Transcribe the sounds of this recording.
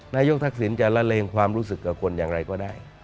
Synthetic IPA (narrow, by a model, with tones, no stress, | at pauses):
naː˧jo˦˥k̚t̪ʰa˦˥k̚si˩˦nt͡ɕa˨˩la˦˧˥leː˧ŋkʰwaː˧mɾuː˦˥s̬ɯ˨˩kːa˨˩kʰo˧njaː˨˩ŋɾa˧jkɔː˥˩daː˥˩j